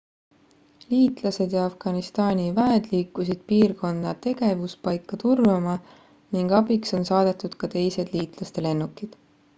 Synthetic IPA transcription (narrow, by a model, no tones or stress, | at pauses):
liːt̪ˑlɑse̞d̪̥jɑɑfɡ̥ɑnist̪ɑːnʲivæed̪̥liːkːˑusid̪̥̚piːrko̞nːɑt̪e̞ɡ̥e̞vuspɑjkːˑɑt̪urvɑmɑ | niŋɡ̥ɑbikso̞nsɑːd̪̥et̪ˑːud̪̥kɑt̪e̞jse̞d̪̥liːt̪ˑlɑst̪e̞le̞nːukːˑid̪̥